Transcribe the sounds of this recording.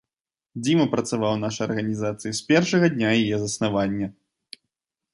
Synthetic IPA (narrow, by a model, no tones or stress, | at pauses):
d͡zʲimɐpɾɐt̪savawnaʂɐjɐrɣɐnʲizat̪sɨjisʲpʲɛrʂɐɣɐd̪ʲnʲajajɛzɐsnavanʲːɐ